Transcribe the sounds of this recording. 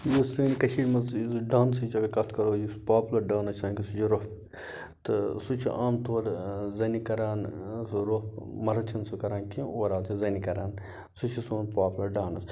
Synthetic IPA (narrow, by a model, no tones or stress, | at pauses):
jisɨːnikɐʃʰiːɾmɐzɖaːnsut͡ʃɐkɐkɐt̪ʰkɐɾoːjispaːpulɐɾɖaːnɐt͡ʃʰsɐːnkisut͡ʃʰiɾop | t̪ɨsut͡ʃʰḭʔaːmt̪ʰoːɾzɐnikɐɾaːnsɾopmɐɾɐt͡ʃʰɐnsukɐɾaːnkĩoːɾaːlt̪ʰizɐnikɐɾaːn | sut͡ʃʰisoːnpaːplɐɾɖaːnɐ̰s